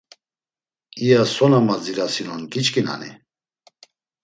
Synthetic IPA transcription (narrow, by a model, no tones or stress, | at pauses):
ijasɔnamaziɾasinɔnkit͡ʃkʼina̰nḭ